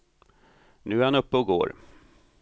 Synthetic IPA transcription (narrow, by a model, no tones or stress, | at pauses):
nʉ̟ːæɾhanɵpːəɔɡo̰ːɾ